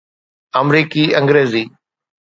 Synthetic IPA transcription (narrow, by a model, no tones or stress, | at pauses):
əmɾiːkiːə̃ŋɡɾeːziː